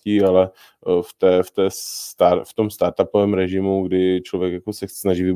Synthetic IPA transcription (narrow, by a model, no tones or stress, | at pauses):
iːalɛ | ft̪ɛːft̪ɛːst̪aft̪o̞mst̪aɾt̪apovɛːmɾɛʒɪmuɡdɪt͡ʃlo̞vjɛkjakosɛsnaʒiːvɪ